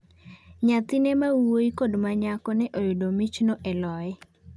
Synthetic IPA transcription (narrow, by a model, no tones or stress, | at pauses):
ɲat̪inemawoikodmaɲakɔnɛʔojodomit͡ʃnoʔɛlɔɛ